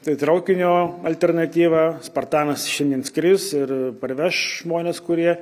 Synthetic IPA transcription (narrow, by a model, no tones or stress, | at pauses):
t̪ɐɪt̪ɾɐʊkʲɪnʲoːɐlʲt̪ʲɛrnɐt̪ʲiːʋɑːspɐrt̪ɑːnɐsʃʲɛnʲd̪ʲiɛnskɾʲɪsɪrpɐrʲʋʲɛʃʒmoːnʲeːskʊɾʲiɛ